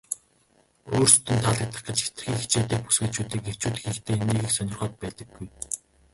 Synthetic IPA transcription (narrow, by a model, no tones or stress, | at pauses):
oːrsɵ̥t̪ʰɵ̆nt̪ʰaɮə̆k̚t̪ə̆χɡə̆t͡ɕxe̥t̪ɘ̥̆xiːkxit͡ɕeːt̪eːk̚pu̥sɡeːt͡ɕuːt̪iːkew̥t͡ɕuːt̪ɘ̆xikt̪ʰeːniːɣɘ̆ːksœnʲɪ̆rχɔːt̪̚pæːt̪ə̆ɡːuj